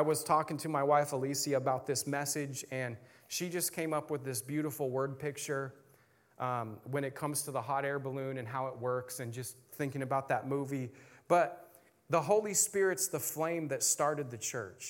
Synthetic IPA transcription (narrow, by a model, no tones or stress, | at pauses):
aɪwʌz̥tʰɔkɪ̃ŋtʰɨmaɪwaɪfəlisiɨbaʊt̪̚ðɪsmɛsɪd͡ʒɨ̃n | ʃid͡ʒʌskʰẽɪ̃mʌpwəðɪsbjʉɾəfl̩ˠwɜ˞d̚pʰɪk̚t͡ʃə˞ | ʔwə̃ñɨt̚kʰʌ̃mz̥tʰəðəɦɑɾɛɹbəlʉ̃nɨ̃nɦaʊət̚wɜ˞ksɨ̃nd͡ʒʌstθɪ̃ŋkɪ̃ŋɨbaʊt̪̚ðɨt̚muvib̥ʌt̪̚ | ðəɦoʊlˠispɪɹɨtsðəflẽɪ̃mðɨtstɑɹɾɨd̪̚ðɨt͡ʃʰɜ̰˞t͡ʃ